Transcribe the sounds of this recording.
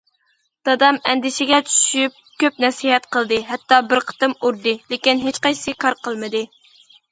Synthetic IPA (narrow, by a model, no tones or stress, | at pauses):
d̪̥ɑd̪ɑmɛnd̪ɪʃɪɡʲɛt͡ʃʰy̥ʃyp̚kʲøp̚nɛsiɦɛt̪qəlˠd̪ɨɦɛt̪ːɑbɪɾqʰə̥t̪ɨmuɾd̪ɨlekʲinɦet͡ʃqɑjʰsɨkʰɑɾqʰəlˠmɨd̪ɨ